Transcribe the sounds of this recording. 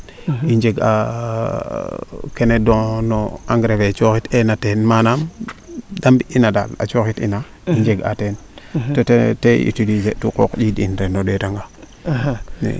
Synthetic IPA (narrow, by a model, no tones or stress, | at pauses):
iɲd͡ʒeɡa̰ | kenedõnoaŋɡɾebet͡ʃoxitenatenmanam | dambiʔinada̰la̰t͡ʃoxitḭna | iɲd͡ʒeɡa̰tentoteteḭtudid͡ʒetukokd͡ʒidinɾenːodetaŋɡa | nḛ